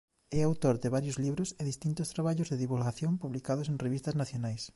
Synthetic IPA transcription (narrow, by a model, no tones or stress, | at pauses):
ɛawt̪oɾd̪ɪβaɾjozliβɾʊseðist̪int̪ʊst̪ɾaβaʎʊzðeðiβulɣaθjõmpuβlikaðʊsẽŋreβist̪ɐznaθjonajs